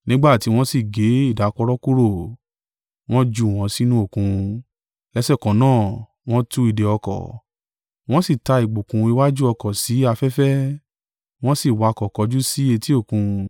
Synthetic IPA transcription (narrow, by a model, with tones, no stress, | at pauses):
nĩ˦ɡ͡ba˦˨ti˧˦w̃ɔ̃˦si˦˨ɡe˨˦i˦˨da˨˦kɔ˧ɾɔ˦ku˦ɾo˦˨ | w̃ɔ̃˦d͡ʒu˧˨w̃ɔ̃˨˧si˦nũ˦o˦˨kũ˧ | lɛ˧˦sɛ˦˨kɔ̃˨˦nãː˦˨ | w̃ɔ̃˦tu˧˦i˨de˨ɔ˧kɔ̰˨ | w̃ɔ̃˦si˦˨ta˧i˨ɡ͡bo˨kũ˨˧i˧wa˦d͡ʒu˦ɔ˧kɔ˨si˨˦a˧fɛ˦fɛ˦ | w̃ɔ̃˦si˦˨wa˧kɔ˨kɔ˨˦d͡ʒu˦si˦e˧ti˦o˦˨kũ˧